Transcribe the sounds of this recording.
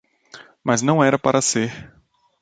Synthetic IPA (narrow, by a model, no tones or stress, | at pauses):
mɐznɐ̃w̃ɛɾɐpaɾɐseɾ